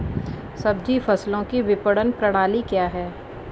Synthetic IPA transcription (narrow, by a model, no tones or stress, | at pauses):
sɐb̚d͡ʒifɐslõkiʋɪpəɽənpɾɐɽ̃aːlikjaːɦɛː